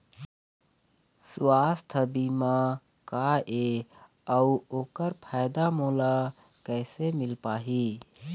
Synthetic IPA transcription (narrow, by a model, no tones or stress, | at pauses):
swast̪ʰəbimã | kaʔe | əuoːkəɾpʰajd̪amoːla | kɛːsemɪlpaːɦi